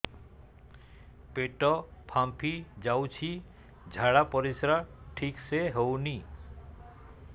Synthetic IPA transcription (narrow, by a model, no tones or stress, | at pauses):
peʈɔpʰampʰid͡ʒawt͡ʃʰi | d͡ʒʱaɽapɔɾisɾaʈʰikseɦowni